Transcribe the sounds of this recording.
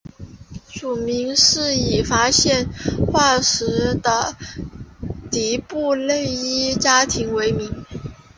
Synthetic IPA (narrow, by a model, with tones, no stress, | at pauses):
ʂu˨˩mi˧˥ŋʂɻ̩˥˩i˨˩fa˥ɕjɛ˥˧nxwa˥˩ʂɻ̩˧˥d̪ə˧ | t̪i˧˥pu˥˧le˥˩ɪi˥t͡ɕja˥t̪ʰi˧˥ŋwe˧˥ɪmi˧˥ŋ